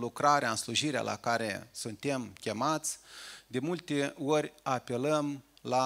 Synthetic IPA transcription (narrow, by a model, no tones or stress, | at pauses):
lukɾaɾeaɨnsluʒiɾea̰lʔa̰kaɾe̞sunt̪e̞mkʲe̞mat̪sʲd̪e̞mult̪e̞o̞ɾʲape̞ləmla